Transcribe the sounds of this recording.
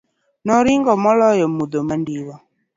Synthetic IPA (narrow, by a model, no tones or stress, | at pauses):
nɔɾiŋɡɔmɔlɔjɔmudomandiwɔ